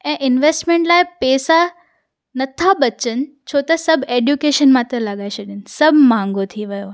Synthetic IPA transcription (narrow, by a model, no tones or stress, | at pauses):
ɛ̃ːʔɪnʋeːsʈmẽːɳʈlaːɪpɛːsa | nɐt̪ʰaɓɐt͡ɕənɪ̆ | t͡ɕʰoːt̪ɐsɐbʱeːɖjukeːʃənmãt̪ɐ̃lɐɠaːesɐɗənɪ̆sɐbʱmãːŋɡot̪ʰiʋɐjo